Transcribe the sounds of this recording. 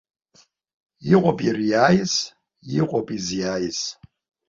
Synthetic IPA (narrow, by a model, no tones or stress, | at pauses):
jiqʼɔpʼirijaːjis | jiqʼɔpʼizijaːjis